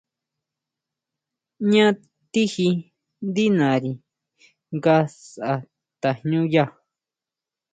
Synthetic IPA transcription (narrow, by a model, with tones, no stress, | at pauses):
ɲã˦ | t̪i˦hi˧ | nd̪i˦nã˨ɾi˨ | ŋɡa˧sa˨ʔa˧ | t̪a˨hɲũ˦ja˦˨